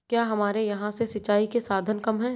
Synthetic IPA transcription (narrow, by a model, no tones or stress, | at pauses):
kjaːɦɐmaːɾejɐɦãsesɐtt͡ʃːaːikesaːd̪ʱənkɐmɦɛ̃ː